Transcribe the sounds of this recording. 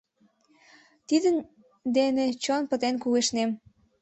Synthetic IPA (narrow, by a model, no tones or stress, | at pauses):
t̪id̪ən | d̪enet͡ɕonpət̪enkuɣeʃnem